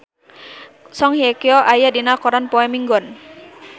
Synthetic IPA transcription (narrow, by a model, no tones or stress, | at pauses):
sɔŋhijekiɔʔajadinakɔɾanpɔɛmiŋɡɔn